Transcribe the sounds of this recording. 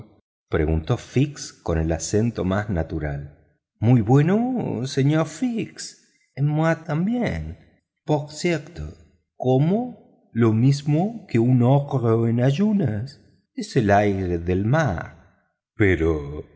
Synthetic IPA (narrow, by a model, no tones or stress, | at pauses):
pɾḛɣunt̪ofiksko̞ne̞lasent̪omasnat̪uɾa̰l | mujβwenoseɲoɾfiks | enmwat̪ambjen | poɾsjeɾt̪o̰ | komo | lomizmokeunoɣɾoenaʒunas | eselajɾeðelmaɾ | peɾo